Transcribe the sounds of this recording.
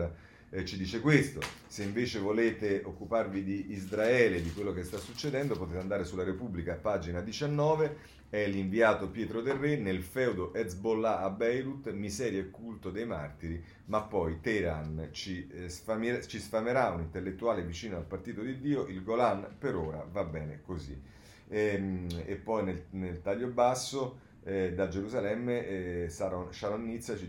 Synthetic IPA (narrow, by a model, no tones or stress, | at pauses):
t͡ʃid̪iːt͡ʃekwest̪oseiɱveːt͡ʃevoleːt̪eokːuparvid̪iːzɾaɛːled̪ikwelːokest̪asːut͡ʃːed̪ɛnd̪opot̪et̪and̪aːɾesulːaɾepubːlikaːpːaːd͡ʒinad̪it͡ʃanːɔːve | ɛliɱviaːt̪opjɛːt̪ɾod̪erːenelfɛwd̪oʔɛsbolːaːbːɛjɾut̪mizɛːɾjaekːult̪od̪ejma̰rt̪iɾi | mapːɔjt̪ɛɾant͡ʃisfamit͡ʃisfameɾaunint̪elːet̪ːuaːlevit͡ʃiːnoalpart̪iːt̪od̪id̪ːiːoʔilɡolanpeɾoːɾa̰vabːɛːnḛkozḭ | epːɔjnelnelt̪aʎːobasːo | ɛd̪ad͡ʒeɾuzalɛmːesaosaɾonːit̪sːat͡ʃi